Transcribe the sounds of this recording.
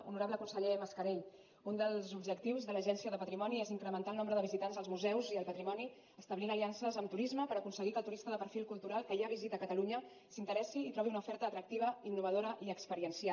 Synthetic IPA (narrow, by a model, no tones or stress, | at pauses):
ṵnuɾaβləkunsəʎeməskəɾeʎ | und̪əlˠzubʒəkt̪iwzðələʒɛnsiəðəpət̪ɾimɔnieziŋkɾəmənt̪alˠnombɾəðəβizit̪anzðəlzmuzɛwziəlˠpət̪ɾimɔni | əst̪əβlinəliansəzəmt̪uɾizməpəɾəkunsəɣikəlˠt̪uɾist̪əðəpəɾfilˠkulˠt̪uɾalˠkəiaβizit̪əːkət̪əluɲə | sint̪əɾɛsiːt̪ɾɔβiunəufɛɾt̪əːt̪ɾək̚t̪iβəinːuβ̞əðoɾəʔiəkspəɾiənsia